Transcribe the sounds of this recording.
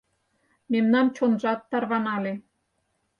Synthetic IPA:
memnɑmt͡ɕonʒɑt̪ːɑrβɑnɑle

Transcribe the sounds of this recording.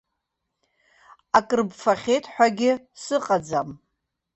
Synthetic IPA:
akʼɨrbfaχʲejtʰʼħʷᶣaɡʲɪ | sɨqʼad͡zam

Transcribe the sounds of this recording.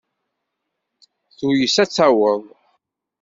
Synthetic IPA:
θujəsæt͡sːæwəðˤ

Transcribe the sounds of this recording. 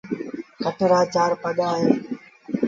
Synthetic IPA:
kəʈʰɾaːt͡ʃaːɾpəɠaːjõː

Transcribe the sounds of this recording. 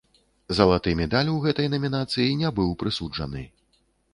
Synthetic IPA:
zɐlˠat̪ɨmʲɛd̪alʲwɣɛt̪ɐjnɐmʲinat̪sɨjinʲɛbɨwpɾɨsud͡ʐɐ̰nɨ̰

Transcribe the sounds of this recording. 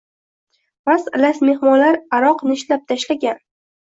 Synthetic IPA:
vaslasme̞hmɒnlaɾaɾɒqnɪʃlap̚t̪ʰaʃlaɡʲan

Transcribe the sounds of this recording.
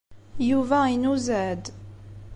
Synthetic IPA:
juvæinuzæd̪

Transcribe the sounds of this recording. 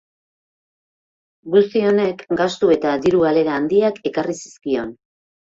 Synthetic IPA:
ɡust̪io̞ne̞kɡast̪ue̞t̪aðiɾuɣale̞ɾaːnd̪iake̞karisi̥skio̞n

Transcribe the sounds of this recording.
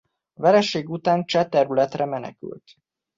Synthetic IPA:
vɛɾɛʃeːɡut̪aːnt͡ʃɛt̪ɛɾylɛt̪rɛmɛnɛ̰ky̰lt̪

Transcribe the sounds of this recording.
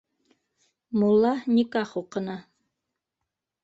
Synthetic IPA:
mulˠːɑnʲikɑχuqɤ̆nɑ

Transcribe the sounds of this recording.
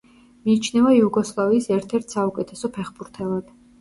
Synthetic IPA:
miːt͡ʃʰnɛvaiuɡɔslˠaviːsɛɾt̪ʰɛɾt̪ʰsaukʼɛt̪ʰɛsɔpʰɛχbuɾt̪ʰɛlˠad̪̥

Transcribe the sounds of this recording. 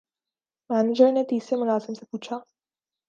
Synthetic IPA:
mæned͡ʒəɾnet̪iseməɡasemseput͡ɕʰa

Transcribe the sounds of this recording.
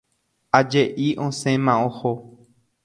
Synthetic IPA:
ad͡ʒeʔiʔõsẽmãõho

